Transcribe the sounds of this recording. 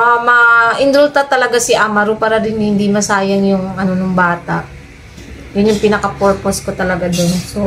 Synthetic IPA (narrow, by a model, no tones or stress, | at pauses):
amɐʔɪnd̪ɾʊlt̪ɐt̪ɐlɐɡasɪʔamɐɾʊpaːɾɐdɪnhɪnd̪imɐsaːjɐnjʊŋʔɐno̞nʊŋbaːt̪a̰ʔ | jʊnjʊŋpinɐkɐpoɹposkot̪ɐlɐɡad̪onso